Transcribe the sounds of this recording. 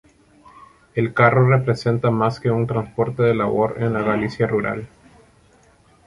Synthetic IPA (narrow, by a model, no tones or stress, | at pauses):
e̞lkaro̞re̞pɾe̞se̞nt̪amaske̞unt̪ɾanspo̞ɾt̪e̞ðelaβo̞ɾenlaɣalisjaruɾa̰l